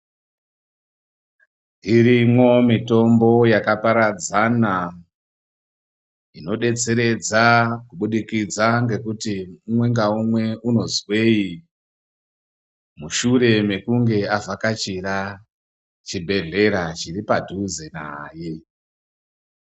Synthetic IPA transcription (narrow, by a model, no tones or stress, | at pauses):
iɾimwo̞mito̞mbo̞jakapaɾad͡zana | ino̞ɗe̞t͡se̞ɾe̞d͡zakuɓuɗikid͡zaŋɡe̞kutiumwe̞ŋɡaumwe̞uno̞zwe̞i | muʃuɾe̞me̞kuŋɡe̞avʱakat͡ʃiɾa | t͡ʃibʱe̞ɮe̞ɾat͡ʃiɾipadʱuze̞na̰ːje